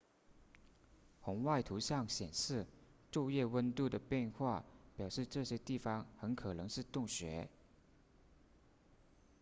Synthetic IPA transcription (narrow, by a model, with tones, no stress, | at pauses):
xʊ˧˥ŋwa˥˩ɪt̪ʰu˧˥ɕjɑ˥˩ŋɕjɛ˨˩nʂɻ̩˥˧ʈ͡ʂjo˥˧ʊjɛ˥˩wə˥nt̪u˥˩d̪ə˩pjɛ˥˧nxwa˥˩pjɑ˨˩ʊʂɻ̩˥˧ʈ͡ʂɤ˥˩ɕjɛ˥t̪i˥˩fɑ˧˥ŋxə˧˥nkʰɤ˨˩nɤ˧˥ŋʂɻ̩˥˧t̪ʊ˥˩ŋɕɥɛ̰˧˥